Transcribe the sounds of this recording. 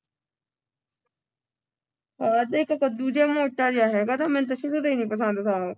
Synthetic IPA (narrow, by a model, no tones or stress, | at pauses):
aːɾd̪eːkokod̪uːd͡ʒemoːʈːaːd͡ʒaːɦɛːɡat̪ʰamɛ̃ːnt̪̬oʃʊɽut̪iːnĩːpəs̬ə̃nd̪t̪ʰaː